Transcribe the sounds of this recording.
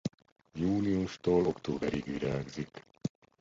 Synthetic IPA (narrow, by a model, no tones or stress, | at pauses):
juːliuʃt̪oːlokt̪oːbɛɾiɡʋiɾaːɡzik